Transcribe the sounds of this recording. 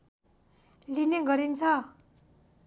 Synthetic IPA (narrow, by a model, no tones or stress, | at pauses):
lineɡʌɾint͡sʰʌ